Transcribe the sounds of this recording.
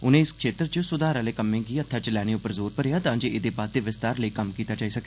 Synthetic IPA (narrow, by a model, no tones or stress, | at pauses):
ʊnẽːɪskʃeːt̪ɾət͡ʃəsʊd̪aːɾaːleːkəmːẽːɡiːət̪ʰːaːt͡ʃəlɛːɽ̃ẽːʊpəɾzoːɾpəɾejaːt̪ãːɲd͡ʒeɪd̪eːbaːt̪̚d̪eːʋɪst̪aːɾləikəmkiːt̪aːd͡ʒaːiːsəke